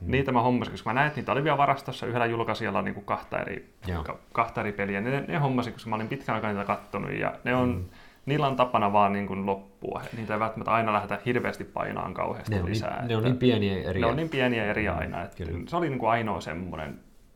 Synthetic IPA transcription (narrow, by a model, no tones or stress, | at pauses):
niːt̪æmæhomːɑsikoskmænæinet̪niːt̪æoliʋiælʋɑrɑst̪osːɑyhelːæjulkɑsiɑlːɑnḭŋkukkɑht̪ɑ̰ḛrḭ | kɑkɑht̪ɑeɾipeliænnenehomːɑsikoskmæolimpit̪kænɑikɑniːt̪ækɑt̪ːonṵjjɑ̰neon | niːlːæont̪ɑpːɑnɑʋɑːnniːŋkunlopːuɑ̰niːt̪æeiʋælt̪ːæmæt̪ɑinɑlæhet̪æhirʋḛːst̪ippɑ̰inɑ̰ːŋkɑ̰uhḛːsilḭsæ̰ːḛneonniːmpiæniæḛneoniːmpiæniæeriɑ̰inɑ̰ḛt̪ːseoliniːŋkuɑino̰ːsḛmːo̰nḛn